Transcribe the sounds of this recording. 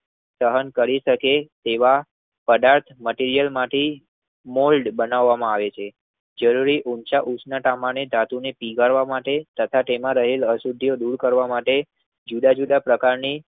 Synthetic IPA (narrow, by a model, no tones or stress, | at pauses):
səɦənkəɾiʃəket̪eʋa | pəd̪aɾt̪ʰməʈiɾijəlmaʈe | molɖbənaʋːamãaʋet͡ʃʰe | d͡ʒəɾuɾiʔunt͡ʃaʔut͡ʃnaʈamañed̪ʱat̪unepiɡaɾʋamaʈet̪ət̪ʰaʈemãɾəɦeləsud̪ʱijod̪uɾkəɾʋamaʈe | d͡ʒud̪ad͡ʒud̪apɾəkaɾni